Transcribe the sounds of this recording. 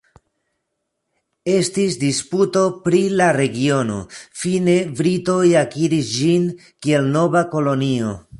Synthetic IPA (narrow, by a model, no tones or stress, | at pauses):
e̞stisdisputo̞pɾilaɾe̞ɡio̞no̞̰fine̞bɾito̞jakiɾisd͡ʒin | kie̞lno̞vako̞lo̞nio̞